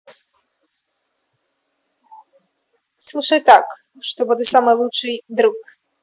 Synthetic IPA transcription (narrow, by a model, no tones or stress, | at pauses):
slˠuʂɐjt̪ak | ʂt̪ɔbud̪ɨsamɨjlˠut͡ʂɨjd̪ɾuk